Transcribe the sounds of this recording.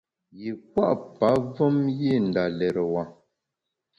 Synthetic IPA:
ji˨k̚wa˦ʔpa˨˦və˦mje˦˨n˨da˨lɛ˨ɾə˨wa˨

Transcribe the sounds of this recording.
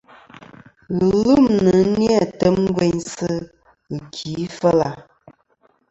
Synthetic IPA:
ɣə˨lu˦˨mnnə˨˦n˦njɛ˦˨tə˦m˦ɡwe˦ɲsɨ˦ | ɨ˨kʰi˨˦fə˦la˨

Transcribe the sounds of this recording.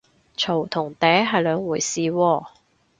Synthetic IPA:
t͡ʃʰo˨˩wt̪ʰʊ˨˩ŋt̪ɛː˨˥jɦɐ˨jlœː˨˧ŋwuː˨˩jsiː˨wɔː˧

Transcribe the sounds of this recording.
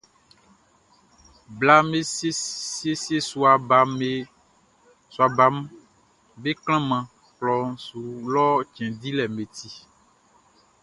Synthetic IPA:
bla˦me˦ssi˦e˦si˦e˦su˨a˨ba˨me˨ | su˨a˨ba˨˦m | be˦kl̃ã˦mã˨ | klɔ˨ŋsu˨lɔ˦t͡ʃɛ̃˨d̪i˦lɛ˨me˨t̪i˦

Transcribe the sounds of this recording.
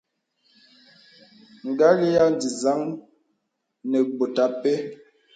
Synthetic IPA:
ŋ̩˨ɡa˦li˦ja˦n˨d͡zi˨za˦ŋ | nɛ˨ɡ͡bo˨ta˨˦pe˦

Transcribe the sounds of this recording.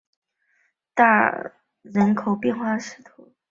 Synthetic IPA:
t̪a˥˩ | ɻə˧˥nkʰo˨˩ʊpjɛ˥˧nxwa˥˩ʂɻ̩˥˩t̪ʰu˧˥

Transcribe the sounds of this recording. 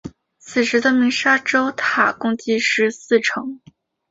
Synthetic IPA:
t͡sʰɹ̩˨˩ʂɻ̩˧˥d̪ə˧mi˧˥ŋʂa˥ʈ͡ʂo˥ʊt̪ʰa˨˩kʊ˥ŋt͡ɕi˥ʂɻ̩˧˥sɹ̩˥˩ʈ͡ʂʰɤ˧˥ŋ

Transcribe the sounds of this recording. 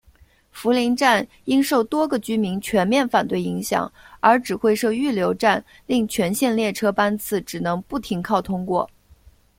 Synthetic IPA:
fu˧˥li˧˥nʈ͡ʂa˥˩n | i˥ŋʂo˥˩ʊt̪wɔ˥ɡə˨t͡ɕy˥mi˧˥ŋt͡ɕʰɥɛ˧˥nmjɛ˥˩nfa˨˩nt̪we˥˩ɪi˧˥ŋɕjɑ̰˨˩˦ŋə˞˧˥ʈ͡ʂɻ̩˨˩xwe˥˧ɪʂo˥˧ʊy˥˩ljo˧˥ʊʈ͡ʂa˥˩n | li˥˩ŋt͡ɕʰɥɛ˧˥nɕjɛ˥˧nljɛ˥˩ʈ͡ʂʰɤ˥pa˥nt͡sʰɹ̩˥˩ʈ͡ʂɻ̩˨˩nɤ˧˥ŋpu˥˩t̪ʰi˧˥ŋkʰɑ˥˩ʊt̪ʰʊ˥ŋkwɔ̰˥˩

